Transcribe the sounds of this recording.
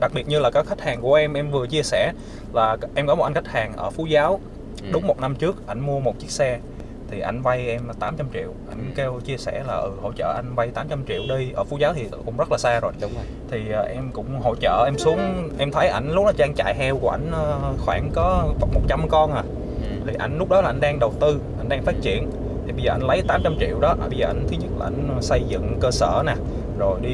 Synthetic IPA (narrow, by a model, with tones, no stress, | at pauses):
ɗa˨˩k̚ɓi˨˩ət̚ɲɨ˧laː˨˩kaː˨˦jxa˦˥k̚haː˨˩ŋku˧˩əʔɛ˧mʔɛ˧mvɨ˨˩ət͡ɕi˧əsɛ˧˩ | laː˨˩ʔɛ˧mkɔ˨˦mo˨˩ʔa˧nŋxʰa˦˥k̚haː˨˩ŋʔəː˧˩fu˨˦zaː˨˦w | ɗʊ˨˦ŋ͡mmo˨˩t̚na˧mt͡ɕɨ˦˥ək̚ʔa˧˩jŋ̟mu˧əmo˨˩t̚t͡ɕi˦˥k̚sɛ˧ | t̪ʰi˨˩ʔa˧˩jŋ̟va˧jʔɛ˧m˨˩t̪aː˨˦mt͡ɕa˧mt͡ɕḭ˧˨əwʔa˧˩jŋ̟ke˧wt͡ɕi˧əsɛ̰˧˩laː˨˩ʔɨ˨˩ho̰˧˨t͡ɕə̰ː˧˨ʔa˧jŋ̟va˧jt̪aː˨˦mt͡ɕa˧mt͡ɕḭ˧˨əwɗi˧jʔəː˧˩fu˨˦zaː˨˦wt̪ʰi˨˩˨kʊ̰˧˥ŋ͡mzə˦˥laː˨˩saː˧zo˨˩j | t̪ʰi˨˩ʔːʔɛ˧mkʊ̰˧˥ŋ͡mɦo̰˧˨t͡ɕə̰ː˧˨ʔɛ˧msu˨˦əŋʔɛ˧mt̪ʰə˨˦jʔa˧˩jŋ̟lʊ˦˥k͡p̚laː˨˩t͡ɕaː˧ŋt͡ɕa̰ː˧˨jhɛ˧wku˧˩əʔa˧˩jŋ̟ʔəː˧xwaː˧˩ŋkɔ˨˦vt̚mo˨˩t̚t͡ɕa˧mkɔ˧nʔaː˨˩ | t̪ʰi˨˩ʔa˧˩jŋ̟lʊ˦˥k͡p̚ɗɔ˨˦laː˨˩ʔa˧jŋ̟ɗaː˧ŋɗə˨˩wt̪ɨ˧ʔa˧˩jŋ̟ɗaː˧ŋfaː˦˥t̚t͡ɕḭ˧˨ən | t̪ʰi˨˩ɓə˧zəː˨˩ʔa˧˩jŋ̟lə˨˦jt̪aː˨˦mt͡ɕa˧mt͡ɕḭ˧˨əwɗɔ˨˦ɓə˧zəː˨˩ʔa˧jŋ̟t̪ʰɨ˨˦ɲə˦˥t̚laː˨˩ʔa˧˩jŋ̟sə˧jzɨ̰˧˨ŋkəː˧sə̰ː˧˩˨nɛ˨˩ | zo˨˩jɗi˧